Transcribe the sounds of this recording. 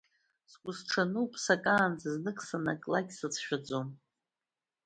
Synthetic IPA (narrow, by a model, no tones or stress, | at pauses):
skʷʼʊsʈ͡ʂʰanupʼsakʼaːnd͡zʰaznɨkʼsanakʼlaɡʲsɨt͡sʰʃᶣad͡zʼom